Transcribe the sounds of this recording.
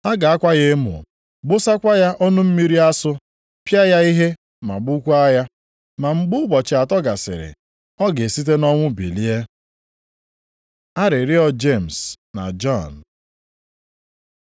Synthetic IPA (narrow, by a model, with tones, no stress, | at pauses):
a˦ɡa˨a˦kʷa˦ɣe˦mʊ̰˨ | ɡ͡bʊ˦sa˦kʷa˦ja˦ʔɔ˦nʊ˦m̩˦mi˦ɾi˦a˦sʊ˦ | pja˦ja˦i˦ɦe˦ | ma˨ɡ͡bʊ˦kʷu˦a˦ja˦ | ma˨ŋ͡m̩˦ɡ͡bʊ˦ɡ͡bɔ˨t͡ʃɪ˨a˨tɔ˦ɡa˨sɪ̰˨ɾɪ̰˨ | ɔ˦ɡe˨si˦t̬e˦nɔ˦ŋʷʊ˦bḭ˨li˦e˦ | a˦ɾɪ˨ɾi˦ɔ˦d͡ʒe˦˨m̩˨s | na̰˨d͡ʒɔ˦˨n˨